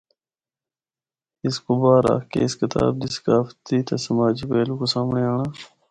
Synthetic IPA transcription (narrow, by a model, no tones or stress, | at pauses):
ɪskobaːɾa̰ːkḛːskɪt̪a̰ːb̚d̪isə̥kaːft̪iːt̪asəmaːd͡ʒipeːlukosaːmɳeaːɳaː